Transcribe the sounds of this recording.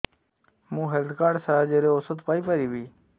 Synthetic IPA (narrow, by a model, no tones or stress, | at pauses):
mũːɦelt̪ʰkaːɖsad͡ʒeɾeosot̪paːipəɾiːʋiː